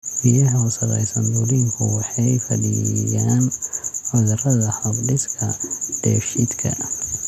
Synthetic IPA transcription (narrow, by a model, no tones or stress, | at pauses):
mɪjɐɦʊsɐlɛ̰jsɐnd̪ʊliŋkʰʊwɑħɑjfɐdɪjaːnħɔðɐrɐðɐhɔbɖɪskʰɐd̥ɛːfʃɪd̪kʰɐ̰